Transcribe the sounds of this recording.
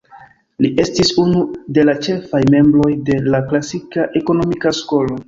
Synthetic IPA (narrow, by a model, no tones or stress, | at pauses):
liʔe̞stisunude̞lat͡ʃe̞fajme̞mblo̞jde̞laklasikaʔe̞ko̞no̞mikasko̞lo̞